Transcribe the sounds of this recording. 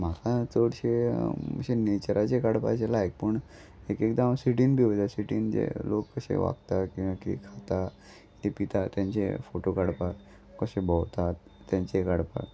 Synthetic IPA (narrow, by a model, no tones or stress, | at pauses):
m̤akʰat͡soɽɕemə̰ɕenet͡ɕəɾʔat͡ɕekaɽpa̰t͡ɕelaek̚pəɳ | ekek̚d̪aamsiʈinbʱiot̪asiʈiːnd͡ʑḛlokːəsḛʋa̰kt̪akĩw̃ʋakikʰat̪a | hepit̪at̪jãɲt͡ɕḛfoʈokaɽpak | kəsebəwt̪at̪t̪ːjãɲt͡ɕekaɽpa̰